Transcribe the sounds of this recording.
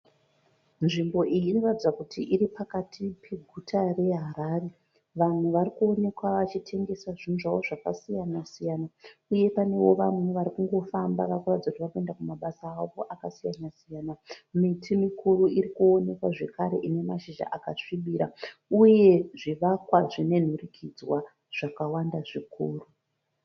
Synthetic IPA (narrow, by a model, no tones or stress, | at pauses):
nʐimbo̞ʔijiːno̞ratid͡zakutʰiʔiɾipakatʰipʰe̞ɡʱutʰare̞ɦaɾaːre | ʋameʋaɾikuo̞ne̞kwaʋat͡ʃitʰe̞ŋɡe̞saʐinʐawo̞ʐaka̰sijanasijaːnauje̞pane̞wo̞ʋamweʋaɾikuŋɡo̞fambaʋarikuratid͡zakutiʋakue̞ndakumaɓasaːʋo̞ʔakasijanasijanamitʰimikʰuɾuiɾikuone̞kwaʐe̞kaɾe̞ʔine̞maʃiʒa̰ʔakaʂiɓiɾauje̞ʐiʋakwaʐine̞n̤urikʰid͡zwa | ʐ̥akawandaʐikʰuːru